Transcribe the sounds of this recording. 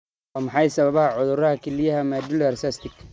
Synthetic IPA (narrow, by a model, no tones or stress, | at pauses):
ɔːmɑħɑjsɐβɐβɐhɐʕʊðʊɾɐhɐkʰɛlɪjɐɦɐmad̪ʊlɐrsɐst̪ɪk